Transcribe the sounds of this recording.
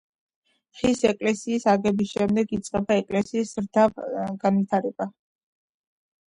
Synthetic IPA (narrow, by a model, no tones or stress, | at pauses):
ʁisɛkʼlɛsiːsaɡɛbisʃɛmd̪ɛɡit̪sʼqʼɛbaɛkʼlɛsiːsɾd̪avɡ̥anvit̪ʰaɾɛba